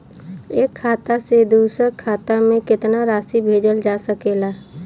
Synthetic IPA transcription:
eːkʰːaːt̪ased̪uːsəɾkʰaːt̪amẽkɪt̪naɾaːsibʱeːd͡ʒəld͡ʒaːsəkeːla

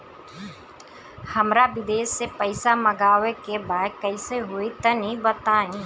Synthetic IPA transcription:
həmɾaʋɪd̪eːsːepəɪsaməɡaːʋekebaːkəɪseɦoit̪ɐnĩbət̪aːĩː

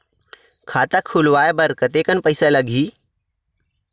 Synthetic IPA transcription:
kʰaːt̪akʰulʋaːebɐɾkət̪eːkənpəɪsaləɡʱiː

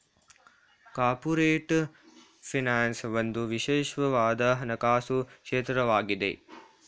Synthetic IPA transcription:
kaːɾpuɾeːʈ | fʰinaːnsʋɐnd̪uʋiʃeːʃʋɐʋaːd̪aːɦɐnɐkaːsukʂeːt̪ɾɐʋaːɡid̪ḛ

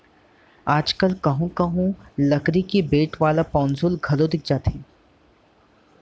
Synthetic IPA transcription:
aːd͡ʒkəlkɐɦũkɐɦũlɐkɾikibeːʈʋaːlapɔ̃ːnsulɡʱɐlod̪ɪk̚ʰd͡ʒaːt̪ɦẽː

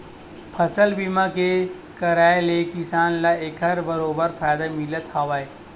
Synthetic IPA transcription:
pʰəsəlbimake | kəɾaːelekɪsaːnlaeːkɦɐɾbəɾoːbəɾpʰaːjd̪amɪlət̪ʰhaːʋae

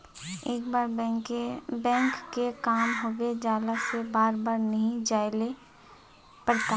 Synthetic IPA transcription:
eːkbaːɾ | bɛ̃ːŋkːekaːmɦoːɡed͡ʒaːlasebaːɾbaːɾnɐɦĩd͡ʒaːele | pɐɽt̪a

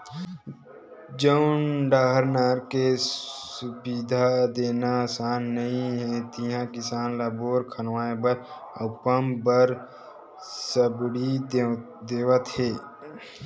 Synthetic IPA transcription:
d͡ʒənɖaːɦəɾnaːɾkesʊbid̪ʱad̪eːnasaːnːəɦĩɦɛt̪iɦãkɪsaːnlaboːɾkʰənʋaːebəɾəpəmbəɾ | səbɽi | d̪eːʋət̪ɦeː

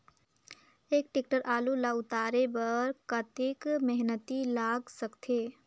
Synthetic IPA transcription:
eːk̚ʈɪk̚ʈəɾʔaːlulaʊt̪aːɾebəɾkət̪ɪkmɛɦnət̪ilaːɡsəkt̪ʰeː

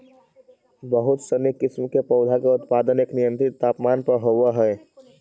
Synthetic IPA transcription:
bəɦʊt̪sənikɪsmkepɔʊd̪ʱakeʊt̪paːd̪əneːknɪjə̃nt̪ɾɪt̪ːaːpmaːnpəɾɦoːwaɦɛː

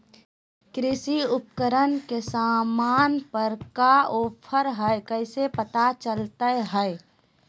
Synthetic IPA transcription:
kɾɪsiʊp̚kəɾənkesaːmaːnpəɾkaoːpʰəɾɦəekəɪsepət̪at͡ʃəlt̪əɦəe

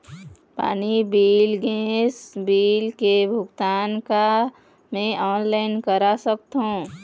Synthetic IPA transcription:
pa̰ːnibiːlɡẽsbiːlkebʱʊɡt̪anka | mẽʔɔːnlaɪnkəɾasəkt̪ɦũ

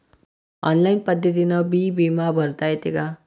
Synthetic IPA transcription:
ɔnlainpəd̪ʱːət̪̬inʌbibimabʱəɾt̪aet̪eka

